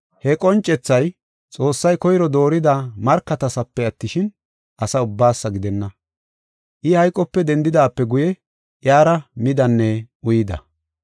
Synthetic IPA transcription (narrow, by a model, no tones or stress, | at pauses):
hɛkʼɔnt͡ʃʼːɛt͡sːɐj | t͡sʼo̞ːsːɐjkɔjɾɔd̪o̞ːɾɪd̪ɐmɐɾkːɐt̪ɐsɐpːɛɐt̪ːɪʃɪn | ʔɐsɐʊbːaːsːɐɡɪd̪ɛnːɐ | ʔɪhɐjkʼɔpːɛd̪ɛnd̪ɪd̪aːpːɛɡʊjɛ | ʔjaːɾɐmɪd̪ɐnːɛʔʊjɪd̪ɐ̰